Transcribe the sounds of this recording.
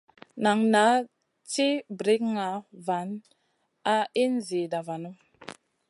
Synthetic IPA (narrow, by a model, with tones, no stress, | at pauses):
na˨ŋna˨˦ | ti˦bɾi˦kŋa˨˦va˨˦n | a˦i˦nzi˨da˨va˨nu˦